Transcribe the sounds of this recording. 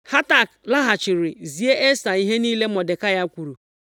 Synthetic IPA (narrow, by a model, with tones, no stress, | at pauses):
ha˦ta˨kla˦ɦa˨t͡ʃɪ˨ɾɪ˨zi˨e˦ʔe˦sa˨i˦ɦe˦niː˦le˦mɔ˨de˨ka˦ja˦kʷu˨ɾu˨